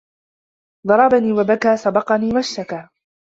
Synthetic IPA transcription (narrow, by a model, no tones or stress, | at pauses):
d̪ˤɑɾˤɑbaniːwabakaːsɑbɑqɑniːwaʃt̪akaː